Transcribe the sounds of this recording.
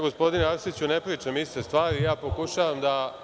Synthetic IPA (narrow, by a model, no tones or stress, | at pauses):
ɡo̞spo̞d̪ineaɾsit͡ɕunepɾiːt͡ʃamist̪est̪ʋaːɾijaːpo̞kuʃaːʋamd̪a